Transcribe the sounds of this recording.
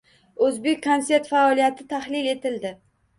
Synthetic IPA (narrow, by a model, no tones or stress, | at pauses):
ɵzbe̞kʲkʰːonse̞ɾt̪faɒlijat̪ʰɪt̪ʰahlɪle̞t̪ɪld̪ɪ